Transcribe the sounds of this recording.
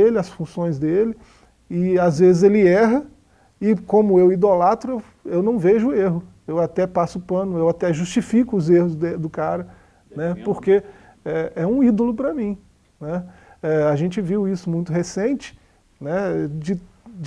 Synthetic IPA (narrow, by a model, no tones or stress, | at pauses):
elɪɐsfũsõj̃zd̪elɪ | ɪazvezɪzelɪɛɦɐ | ɪkõmʊewid̪olat̪ɾʊew | ewnɐ̃w̃veʒʊːeɦʊ | ewat̪ɛpasʊʊpɐ̃nʊewat̪ɛʒust͡ʃifikʊːzehʊzd̪ɛd̪ʊkaɾɐ | nɛpoɾke | ɛɛũid̪olʊpɾɐmĩ | nɛɛaʒẽt͡ʃɪviwisʊmũj̃t̪ʊɦesẽnt͡ʃɪ̥ | nɛd͡ʒɪ